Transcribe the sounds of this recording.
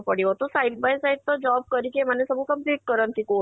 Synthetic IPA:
pəɽiɦot̪osaiʈ̚bajsaiʈ̚t̪ɔd͡ʑɔb̚kəɾikem̤anesəbukəmpliːʈ̚kəɾənt̪iko

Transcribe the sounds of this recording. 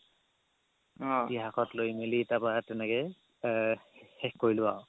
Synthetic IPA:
ɔiɦakɔtlojmilitapaatɛnɛkɛ | xɛxkːoɹilʊwaw

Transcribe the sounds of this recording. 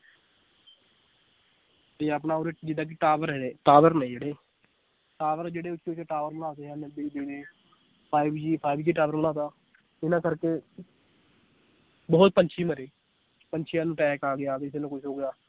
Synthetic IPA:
t̪eːəp̬naːoːɾed͡ʒɪd̪ãːk̬iʈaːʋəɾɛeːʈaːʋəɾnɛĩːd͡ʒeːɽeː | ʈaːʋəɾd͡ʒeːɽeːʊt͡ʃʰːeʊt͡ʃeʈaːʋəɾbənaːt̪eːɦɛ̃ːnəbiːd̪eːɽeː | pʰaːibd͡ʒiːpʰaːɪbd͡ʒiːʈaːʋəɾmənãːt̪aː | ɪnãːkəɾkeː | bɔːt̪̚pəɲt͡ʃʰiːməɾeː | pəɲt͡ʃʰiãːnũːʈɛːkaːɡɪjaːkɪseːnõːkʊt͡ʃʰɦoːɡɪjaː

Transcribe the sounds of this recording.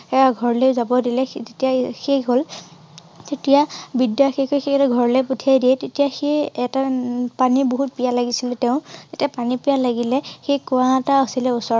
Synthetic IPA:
ɛaɡʱɔɹlɛzabɔdilɛzetijaxeɦol | tetijabidjaxikojxeɛtaɡʱɔɹlɛputʰiajdijɛtetijaxeɛtapaniboɦut̚pijalaɡisilɛtɛʊ̃z̥etiapanipijalaɡilɛxekuataasilɛusɔɹ

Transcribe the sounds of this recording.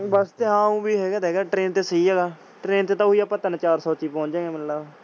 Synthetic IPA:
bəst̪eːɦãːũːbiːɦɛːɡaːd̪ɛːɡaːʈɾeːnt̪eːsəiːɦɛːɡaː | ʈɾeːnt̪eːt̪ãːʊiaːpːaːt̪ənːt͡ʃaːɾsɔːt͡ʃiːpɔ̃ːɲd͡ʒẽːɡeːməlaː

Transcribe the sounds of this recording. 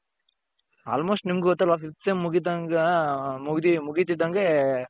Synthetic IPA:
a̰ːlmoːsʈnimɡuɡɔt̪ːɐlafifsemmːuɡid̪ɐŋɡmuɡd̪imuɡit̪id̪ɐŋɡe

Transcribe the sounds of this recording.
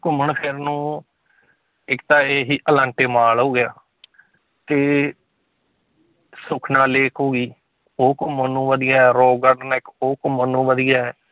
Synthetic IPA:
kʊməɳpʰɪɾnũː | ɪkt̪ãːeːɦiːʔəlãːɳʈeːmaːloːɡɪjaː | t̪eː | sʊkʰnaːleːkʰɦoːɡiː | oːkmənũːʋəd̪ijaːɛːɾoːɡəɖnɪkoːkmənũːʋəd̪ijaːɛː

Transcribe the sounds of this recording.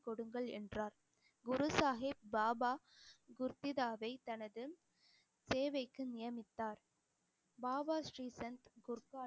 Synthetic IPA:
kɔɽɯŋɡɐɭɛ̰ndraːɾ | ɡʊɾɯsaːɦɪp̚baːbaː | ɡʊɾt̪ːɪðaːʋɐɪt̪ɐnɐðɯ | seːʋɐɪkːɯnɪjɐmɪt̪ːaːɾ | baːbaːsɾiːsɛnt̪ɡʊɾkaː

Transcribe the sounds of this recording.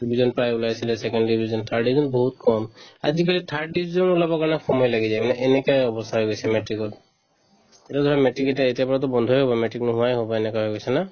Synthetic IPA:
ibʱizɔnpɹajulasilɛsɛkɔnddibʱizɔntʰaɹɖizɔnbɔɦut̚kɔma̰zik̬alitʰaɹɖibizɔnulabɔkaɹnaxʰɔmɔjlaɡizajmanɛʔenɛkɔjɔbɔsaɦɔjɡojsɛmɛtɹikɔt̚ | ɛtɔd̪ʱɔɹamɛʈɹikɛtaetijapɔɹat̬ɔbɔnd̪ʱojɦobɔmɛʈɹiknʊɦʊwajɦobɔenɛkɔaɦɔjɡojsɛna

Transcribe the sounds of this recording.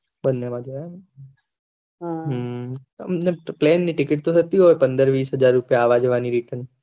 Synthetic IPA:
bənːemãd͡ʒean | ɦ | ə̰mneplenːiʈɪkɪʈ̚t̪ot̪ət̪iɦojpənd̪əɾʋiːsɦəd͡ʒaɾːupjaːʋad͡ʒʋaniɾiʈən

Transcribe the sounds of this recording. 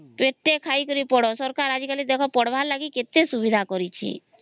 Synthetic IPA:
peʈːekʰaikɔɾipɔɽɔsɔɾkaɾad͡ʒikalid̪ekʰɔpɔɽbʱaɾlaɡiket̪esubid̪ʱakɔɾit͡ʃʰḭ

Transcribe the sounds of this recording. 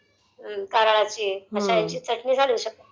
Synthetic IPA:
kaɾaɭat͡ɕiːəɕajat͡ɕiːt͡səʈnisad̪uɕək̚t̪ə

